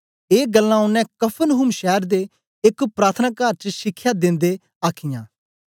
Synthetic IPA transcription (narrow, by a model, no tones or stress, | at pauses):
eːɡəlːãʊnːɛ̃kɐpʰənɦʊmʃɛːɾd̪e | ɪkpɾaːt̪ʰənaːkaːɾt͡ʃəʃɪkʰːjad̪ɪ̃nd̪e | aːkʰɪjãː